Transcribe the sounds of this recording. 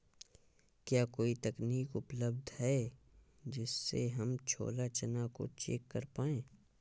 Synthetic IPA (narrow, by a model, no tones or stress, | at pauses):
kjaːkoːit̪ɐkniːkʊpləbd̪ʱɦɛ | d͡ʒɪsːḛɦɐmt͡ʃʰo̰ːlat͡ʃɐnako̰t͡ʃḛːkːəɾpaːẽː